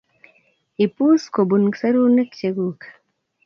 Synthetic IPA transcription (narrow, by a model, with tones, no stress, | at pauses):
i˨pu˦sko˨bunksa˦ɾu˦nə˦kt͡ʃeɡuk